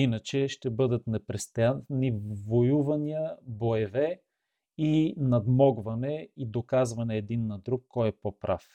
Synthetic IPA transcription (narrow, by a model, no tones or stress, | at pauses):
inət͡ʃɛʃt̪ɛbɤd̪ət̪nɛpɾɛst̪janːivojuvɐniəboɛvɛ | inɐd̪mɔɡvɐnɛid̪okazvɐnɛːd̪inːɐd̪ɾukːɔjɛpopɾʔa̰f